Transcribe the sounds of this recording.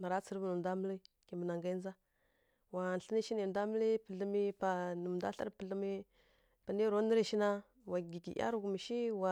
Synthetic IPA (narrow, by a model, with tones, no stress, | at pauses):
ma˨ɾa˦t͡sə˨ɾbu˨nu˨da˦mə˦li˦ | ki˨mbə˨na˨ŋɡa˦i˦n˦za˦ | wa˨n˨ɬə˦ni˦ʃi˦ni˨da˦mə˦li˦pə˨ɮə˦mi˦pa˨nə˨m˨da̰˦ɬa̰˦ɾpə˨ɬə˦mi˦ | pa˨ni˦ɾo˦nə˦ɾə˦ʃi˦na˦ | wa˨ɡi˨ɡḭ˨ʔa̰˦ɾu˨ɡu˨mi˨ʃi˦wa˨